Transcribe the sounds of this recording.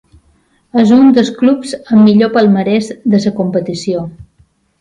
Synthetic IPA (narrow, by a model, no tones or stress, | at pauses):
ezund̪əsklupzəmːiʎopəlˠməɾɛzd̪əsəkumpət̪isio